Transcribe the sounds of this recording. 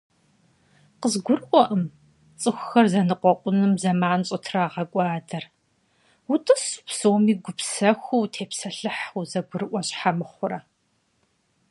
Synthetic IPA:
qəzɡʷʊrʔʷɔʔɐm | t͡sʼɨxʷʊxɐrzɐnɨqʷɔqʷʼʊnɨmzɐmaːnɕʼɨtʰraːʁɐkʷʼɑːdɐr | wʊtʼɨspsoːmiːɡʷʊpsɐxʷuwtʰeːpsɐɬɨħuzɐɡʷʊrɨʔʷɔɕħamɨχʷʊɾɐ

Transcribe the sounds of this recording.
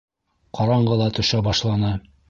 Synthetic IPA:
qɑɾɑɴɢɤlˠɑt̪ŏɕɑbɑʃlˠɑnɑ

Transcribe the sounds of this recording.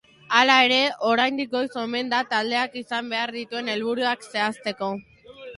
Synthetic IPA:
alae̞ɾe̞o̞ɾajnd̪ik̚ɡo̞jso̞me̞nd̪at̪ald̪e̞akisambe̞aɾðit̪ue̞ne̞lβuɾuakse̞ast̪e̞ko̞

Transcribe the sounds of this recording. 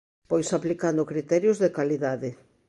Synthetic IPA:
pojsaplikand̪ʊkɾit̪ɛɾjʊzðekaliðaðɪ

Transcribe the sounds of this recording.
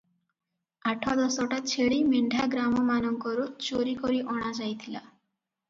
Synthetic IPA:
aʈʰɔd̪ɔsɔʈat͡ʃʰeɭimiɳɖʱaɡɾamɔmanɔŋkɔɾut͡ʃoɾikɔɾiʔɔɽ̃ad͡ʒajt̪ʰila

